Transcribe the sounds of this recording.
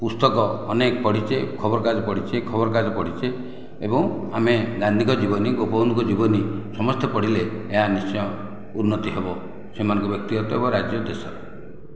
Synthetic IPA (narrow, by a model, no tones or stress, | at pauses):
pust̪ɔkɔːnekɔpɔɽ̤it͡ʃʰekʰɔbɔɾɔkad͡ʒɔpɔɽ̤it͡ʃʰekʰɔbɔɾɔkad͡ʒɔpɔɽ̤it͡ʃʰe | ebɔ̃ŋameɡand̪ʱikɔd͡ʒibɔniɡopɔunkɔd͡ʒibɔnisɔmɔst̪epɔɽileːɦanist͡ʃɔjɔ | unːɔt̪iɦebɔ | semanɔ̃ŋkɔbjɔk̚t̪iɔt̪ɔebɔɾad͡ʒjɔd̪esɔɾe